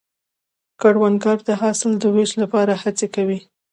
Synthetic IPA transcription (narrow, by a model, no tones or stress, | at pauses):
kaɽwanɡɑɾd̪əɦɑsɪld̪əweʃlapɑɾahat͡sekawi